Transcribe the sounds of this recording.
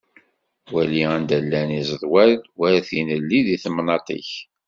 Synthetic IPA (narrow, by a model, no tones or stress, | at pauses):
wæliænd̪ælːænizˤðˤwælwæɾæθinəlːiðiθəmnɑt̪ˤḭç